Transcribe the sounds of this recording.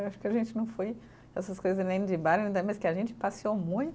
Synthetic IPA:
aʃʊ̥kɪɐʒẽnt͡ʃɪnɐ̃w̃foj | ɛsɐskojzɐznẽj̃d͡ʒɪbaɾẽd̪ɐmɐskɪaʒẽnt͡ʃɪ̥pasiomũj̃t̪

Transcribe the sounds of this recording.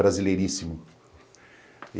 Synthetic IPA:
ɾazilejɾisimʊ

